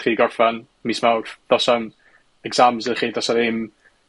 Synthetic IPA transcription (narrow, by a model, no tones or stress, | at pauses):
χiːɡɔrfan | mismawrd̥ɔsam | ɛɡz̥amzɪχiːdɔsaɾɪm